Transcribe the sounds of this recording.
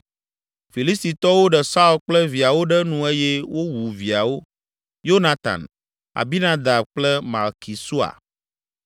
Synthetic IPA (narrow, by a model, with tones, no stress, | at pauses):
fi˨li˦st̪i˨t̪ɔ˦wo˦ɖɛ˨sa˦u˨lk͡plɛ˦vi˨a˨wo˦ɖɛ˦nũ˨e˦jɛ˦wo˦wu˨vi˨a˨wo˦ | jo˦nã˨t̪ã̰˨n | a̰˨bi˦nã˦d̪a˨bk͡plɛ˦ma̰˨lki˨su˦a̰˨